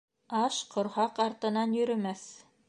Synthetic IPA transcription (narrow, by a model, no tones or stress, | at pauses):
ɑʃqʰŏɾhɑqɑɾt̪ɤ̆nɑnjɵ̆ɾɵ̆mæθ